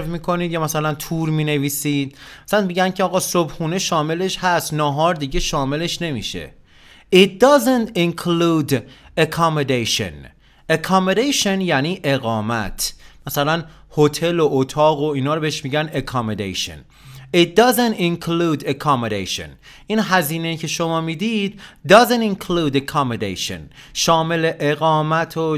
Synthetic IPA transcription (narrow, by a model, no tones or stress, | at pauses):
fmiːkʰo̞niːd̪jɒːmæsælænt̪ʰuːɾmiːne̞viːsiːd̪̥̚mæsænmiːɟænkʰeɒːɣɒːsobxuːne̞ʃɒːme̞le̞ʃhæst̪nɒːɦɒːɾd̪iːɟeʃɒːme̞le̞ʃne̞mḭːʃe̞̰ | it̪̚d̪ɒzent̪inkʰluːd̪ekʰɒmod̪ejʃo̰n | ekʰɒmod̪ejʃonjæniːʔe̞ɣɒːmæt̪ʰmæsælæn | hot̪ʰe̞loʔːt̪ʰɒːɣoiːnɒːɾobeheʃmiːɟænekʰɒmod̪ḛjʃo̰n | it̪̚d̪ɒzent̪inkʰluːd̪ekʰɒmod̪ḛjʃo̰n | ʔinɦæziːne̞iːcʰe̞ʃo̞mɒːmiːd̪id̪̚ːɒzeniŋkʰluːd̪ekʰɑmod̪ḛjʃo̰n | ʃɒːme̞le̞ʔeɣɒːmæt̪ʰo